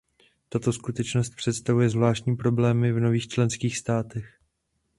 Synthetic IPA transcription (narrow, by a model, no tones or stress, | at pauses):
t̪at̪o̞skut̪ɛt͡ʃno̞st̪̚pr̝̥ɛt̪st̪avujɛzvlaːʃtcɲiːpɾo̞blɛːmɪvno̞viːxt͡ʃlɛnskiːxst̪aːt̪ɛx